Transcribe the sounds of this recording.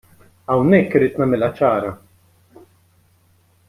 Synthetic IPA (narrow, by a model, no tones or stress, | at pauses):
ɐwnɛkːɪɾiːt̪nɐmɪlɐt͡ʃɐːɾɐ